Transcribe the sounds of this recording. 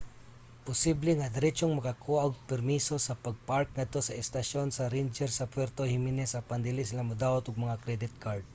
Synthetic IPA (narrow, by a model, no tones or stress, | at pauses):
pʊsiblɛŋɐd̪ɐɾɛt͡ʃoŋmɐkɐkʰuɐoɡ̚pɛɾmiso̞sɐpɐɡ̚paɾk̚nɐd̪̚t̪osɐʔɪst̪ɐʃonsɐɾind͡ʒɛɾsɐpwɛɾt̪ohɪminɛsɐpɐnd̪ɪlisɪlamʊd̪aːwɐt̪ʊɡ̚mɐŋakɾɛd̪ɪt̪̚kaɾd̪̚